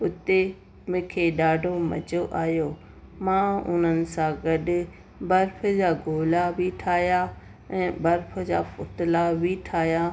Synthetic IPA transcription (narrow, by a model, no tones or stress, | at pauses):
ʊt̪e | mɪ̃ːkʰeːɗaːɖʱomɐ̰d͡ʑoʔaːɦjoː | mãːʊ̰n̤ənɪ̆sãɡɐɗɪ̆ | bɐɾfʰəd͡ʑaːɡʱoːlabʱiʈʰaːɦja | ɛ̃ːbɐɾfʰə̆d͡ʑa̰ːpʊt̪ɪlabʱiʈʰaːɦja